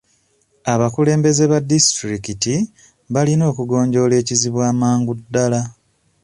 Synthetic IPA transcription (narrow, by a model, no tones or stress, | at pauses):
aβakule̞ːmbe̞ze̞βadistɾikiti | βalino̞ːkuɡo̞ːɲɟo̞le̞ːciziβwaːmaːŋɡudːala